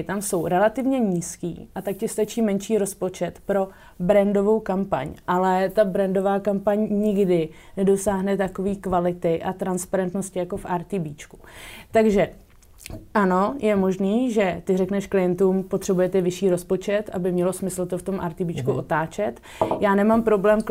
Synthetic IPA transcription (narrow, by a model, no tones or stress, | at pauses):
t̪amso̞wɾɛlat̪ɪvɲɛɲiːskḭːʔat̪akcɪst̪at͡ʃiːmɛnʃiːɾo̞spo̞t͡ʃɛt̪pɾo̞ | bɾɛndo̞vo̞wkampa̰ɲʔalɛt̪abɾɛndo̞vaːkampaɲɲɪɡdɪ | nɛdo̞saːɦnɛt̪ako̞viːkvalɪt̪ɪʔat̪ɾanspaɾɛnt̪noscɪjako̞fʔaɾt̪ibiːt͡ʃku̥ | t̪aɡʒɛ | ʔano̞jɛmo̞ʒniːʒɛt̪ɪrɛknɛʃklɪjɛnt̪uːmpot̪r̥ɛbujɛt̪ɛvɪʃiːɾo̞spo̞t͡ʃɛt̪ʔa̰bɪmɲɛlo̞smɪsl̩t̪o̞ft̪o̞mʔa̰ɾt̪ibiːt͡ʃkuʔo̞t̪aːt͡ʃɛt̪ | jaːnɛmampɾo̞blɛːmk